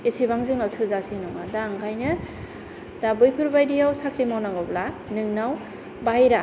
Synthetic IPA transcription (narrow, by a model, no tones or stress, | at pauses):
isiβaŋzɯŋnawtʰɯzasinɔŋadaŋkʰajnɯ | d̥abɯjpʰɯɾbajdijawsakʰɾimawnaŋɔbla | nɯŋnaw | bajɾa